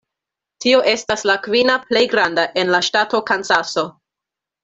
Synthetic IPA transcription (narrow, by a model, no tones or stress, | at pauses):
tio̞ʔe̞staslakvinaple̞jɡɾandaʔe̞nlaʃtato̞kansaso̞